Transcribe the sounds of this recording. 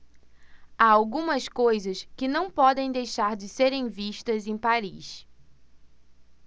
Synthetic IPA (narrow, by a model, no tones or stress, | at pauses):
aawɡũmɐskojzɐskɪnɐ̃w̃pɔd̪ẽj̃d̪ejʃaɾd͡ʒɪseɾẽj̃viʃt̪ɐzẽj̃paɾiʃ